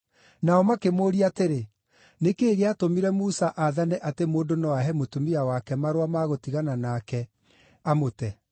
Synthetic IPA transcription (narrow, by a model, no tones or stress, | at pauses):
naɔmakemoːɾiateɾe | nekeːɣeatomiɾɛmusaʔaðanɛʔatemoːndonɔaɦɛmotumiawakɛmaɾwamaɣotiɣananaːkɛ | amotɛ